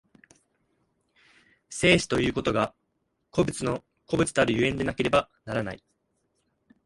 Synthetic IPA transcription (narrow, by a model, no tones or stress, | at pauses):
se̞ːɕi̥t̪o̞jɯ̟ːko̞t̪o̞ɡa | ko̞bɯ̟t͡sɨno̞ | ko̞bɯ̟t͡sɨd̪eaɾɯjɯ̟ẽ̞nd̪e̞nake̞ɾe̞banaɾana̰i